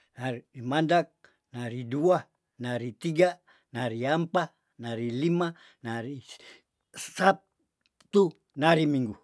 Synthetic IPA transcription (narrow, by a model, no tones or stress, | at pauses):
naimandak̚ | naɾidua | naɾit̪iɡa | naɾiampa | naɾilima | naɾi | sat | t̪u | naɾimiŋɡu